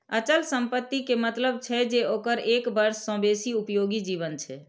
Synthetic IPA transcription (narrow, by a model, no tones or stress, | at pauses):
ət͡ʃəlsəmpət̪ːikemət̪ləb̚t͡ʃʰɛd͡ʒeokəɾekbəɾsːə̃besiupjoɡid͡ʒiβənt͡ʃʰɛ